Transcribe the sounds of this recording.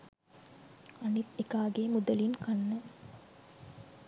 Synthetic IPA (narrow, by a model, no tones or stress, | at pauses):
ɐnit̪ekaːɡeːmud̪ɐlinkanːə